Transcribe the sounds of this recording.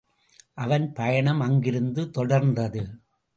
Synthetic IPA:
ʔɐʋɐnpɐjɐɳɐmɐŋɡɪɾɯnd̪ɯt̪ɔɽɐɾnd̪ɐðɯ

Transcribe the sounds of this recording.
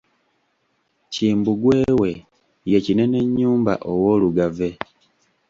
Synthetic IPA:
ciːmbuɡwe̞ːwe̞ | je̞cine̞ne̞ɲːuːmba̰ʔowo̞ːluɡave̞

